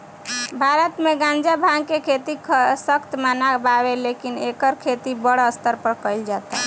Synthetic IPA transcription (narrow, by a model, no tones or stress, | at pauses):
bʱaɾət̪meɡãnd͡ʒabʱãŋkekʰet̪ikʰsəkt̪manababelekinekəɾkʰet̪ibəɽəst̪əɾpəɾkəɪld͡ʒat̪a̰